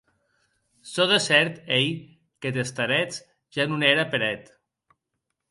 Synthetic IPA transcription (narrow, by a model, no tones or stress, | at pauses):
soðesɛɾt̪ej | ket̪est̪aɾɛt͡s | ʒanuneɾapeɾɛt̪